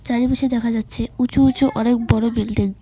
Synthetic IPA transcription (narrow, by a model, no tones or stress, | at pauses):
t͡ɕaɾibiʃed̪ɛkʰad͡ʑatːɕʰeut͡ɕout͡ɕoʔɔnek̚bɔɽobild̪e